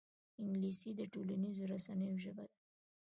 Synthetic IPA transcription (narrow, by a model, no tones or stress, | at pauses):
ɪŋɡlisid̪əʈolanizoɾasanəjoʒəbad̪a